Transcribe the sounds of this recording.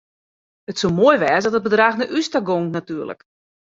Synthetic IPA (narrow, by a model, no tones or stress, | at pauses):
ətsomoəjʋɛːzsdɔtət̚bədraxnəʔystaɡoŋnatyːərlə̰k